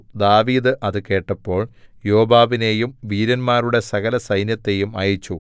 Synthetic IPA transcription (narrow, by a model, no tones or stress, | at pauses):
d̪aːʋiːd̪ɨʔɐðɨke̞ːʈːɐpːo̞ːɭjo̞ːbaːʋine̞ːjumʋiːɾɐnmaːɾuɽe̞sɐɣɐlɐsɐjnjɐt̪ːe̞jumɐjɐt͡ɕːu